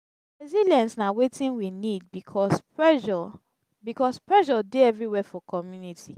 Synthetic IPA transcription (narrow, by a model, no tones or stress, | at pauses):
ɹɛziljɛ̃nsnawetĩnwinid̚bikʰɔs | bikɔspɹɛʒɔdeɛvɹiwɛfɔkɔmjuniti